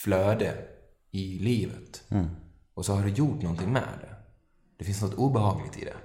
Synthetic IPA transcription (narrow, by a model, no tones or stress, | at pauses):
fløːd̪ə | ɪliːvə̰t̪ | ɔsɔhaɖɵjʊʈnɔnt̪ʰɪŋmɛ̰ːd̪ɛ̰ | d̪̥ɛfɪnsnɔt̪ːuːbɛhɑːɡlɪ̰ɡ̚t̪ʰɪ̰d̪ɛ̰